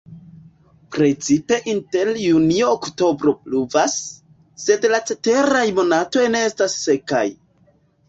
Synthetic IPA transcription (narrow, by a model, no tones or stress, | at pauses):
pɾe̞t͡sipe̞ʔinte̞ljunioːkto̞bɾo̞pluvasː | e̞dlat͡se̞te̞ɾajmo̞nato̞jne̞estasːe̞ka̰j